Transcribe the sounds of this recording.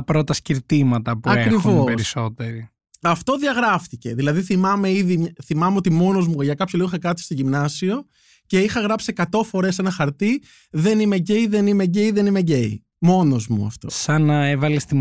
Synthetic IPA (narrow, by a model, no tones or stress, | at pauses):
pɾot̪ɐsciɾt̪imɐt̪ɐpuɐkeɾixivopesɾiso̞t̪eɾi | ɐft̪o̞ðiɐɣɾɐft̪ice̞ðilɐðiθimɐme̞iðiθimɐme̞ot̪imo̞no̞zmuʝɐkɐpçolioixɐkɾɐt̪i̥st̪oʝimnɐsio̞ | ce̞ixɐɣɾɐpsiekɐt̪o̞fo̞ɾe̞se̞nɐxɐɾt̪i | ðe̞nime̞ɟeiðe̞nime̞ɟeiðe̞nime̞ɟe̞i | mo̞no̞zmṵɐ̰ft̪osɐnɐevɐlest̪i